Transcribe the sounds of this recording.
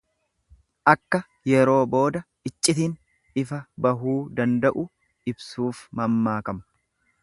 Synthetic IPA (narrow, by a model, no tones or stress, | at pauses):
ʔɐkːɐ | jɛɾo̞ːbo̞ːd̪ɐ | ɪt͡ʃʼːɪt̪̬in | ɪfɐbɐɦuːd̪ɐnd̪ɐʔʊ | ɪbsuːfmɐmːaːkɐmɐ̥